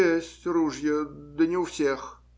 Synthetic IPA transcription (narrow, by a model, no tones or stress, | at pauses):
esʲtʲruʐjəd̪ənʲɪʊfsʲex